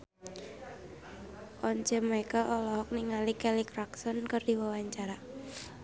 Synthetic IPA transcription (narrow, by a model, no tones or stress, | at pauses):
ʔɔɲt͡ʃəmajkəʔɔlɔɦɔk̚niŋalikɛlikraksɔnkərdiwawaɲt͡ʃaɾa